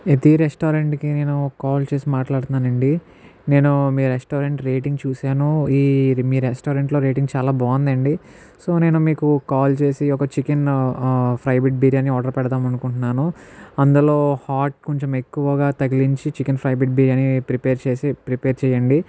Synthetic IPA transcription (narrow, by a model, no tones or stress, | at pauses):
et̪iɾesʈoːɾeɳʈkine̞ːnukaːlt͡ʃe̞ːsimaːʈlaːɽut̪unːaːnɐɳɖi | ne̞ːnumiːɾesʈoːɾeɳʈɾe̞ːʈiŋɡt͡ʃuːsaːnuiːmiːɾesʈoːɾeɳʈlo̞ːɾe̞ːʈiŋɡt͡ʃaːlaːbaːɐnd̪ɐɳɖi | so̞ːne̞ːnumiːkukaːlt͡ʃe̞ːsiɔkɐt͡ʃiken | pʰɾɐjbiʈ̚biːɾjaːniɔːɖɐɾpɛɽɐt̪aːmɐnukuɳʈunːaːnuɐnd̪ulo̞ːhaːʈ̚koɲt͡ʃeme̞kːuʋɐɡaːt̪ɐɡiliɲt͡ʃit͡ʃikenpʰɾɐjbiʈ̚biːɾianipɾipeːɾt͡ʃeːsipɾipeːɾt͡ʃɛːjɐɳɖi